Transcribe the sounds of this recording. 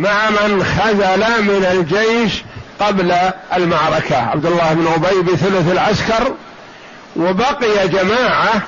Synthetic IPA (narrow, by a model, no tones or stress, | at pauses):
maʕmɪnxazalamɪnald͡ʒejʃqɑblaalmaʕɾˤɑkaʕa̰bd̪ʊlːaːhɪbɪnʕʊbajbiθʊlʊθalʕaskɑɾˤ | wɪbɑqɪjad͡ʒamaːʕa